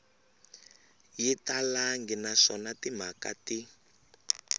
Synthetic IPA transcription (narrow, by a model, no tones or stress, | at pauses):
jitalaŋɡinaʂɔnatim̤akati